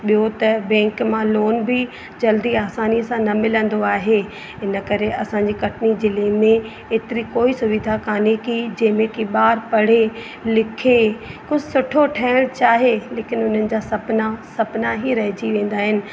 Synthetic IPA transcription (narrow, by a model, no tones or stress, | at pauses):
ɓijot̪ɐbɛ̃ːŋkmãloːnbɪ | d͡ʑɐld̪iaːsaːniəsãnɐmɪlə̃nd̪oaːɦe | ɪnə̆kɐɾeʔɐsãɲd͡ʑikɐʈnid͡ʑeleːmẽ | eːt̪ɪɾikoːisʊʋɪd̪ʱakaːnikid͡ʑɐ̃ːɦmẽkiɓaːɾpɐɽ̤e | lɪkʰekʊd͡ʑʱɪsʊʈʰoʈʰɛːɪɽ̃t͡ɕaːɦeleːkɪnʊn̤ənɪ̆d͡ʑaːsɐpnasɐpnaɦiɾɐɦɪd͡ʑiʋẽːn̆d̪aːɦɪnɪ̆